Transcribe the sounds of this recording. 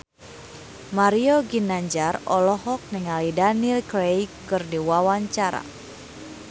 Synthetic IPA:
maɾioɡinaɲd͡ʒarɔlɔɦɔk̚niŋalidanilkɾejkɨrdiwawaɲt͡ʃaɾa̰

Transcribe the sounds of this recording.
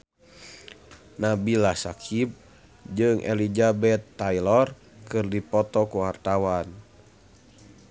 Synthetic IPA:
nabilahsakʰib̚ | d͡ʒɨŋʔɛ̰lid͡ʒabɛt̪ːajlɔr | kɨrdipɔt̪ɔkuɦart̪awan

